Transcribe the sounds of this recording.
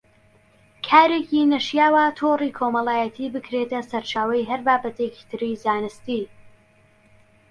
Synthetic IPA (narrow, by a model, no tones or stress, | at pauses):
kʰaːɾeːkinɐʃjaːwat̪ʰoːrikʰomɐlˠaːjɛt̪ʰiːbɨkʰɾet̪ɐsɐɾt͡ʃʰaːwɐjɦɐɾbaːbɐt̪eki̥t̪ʰɨɾizaːnɨst̪i